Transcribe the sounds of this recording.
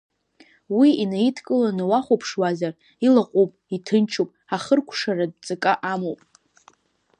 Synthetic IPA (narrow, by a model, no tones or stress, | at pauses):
wiinaitʰkʼɨlanawaχʷopʰʂwazar | ilaqʷʼupʼitʰɨnt͡ʃʰopʼaχərkʷʰʂarad̚t͡sʼɨkʼaʔamowpʼ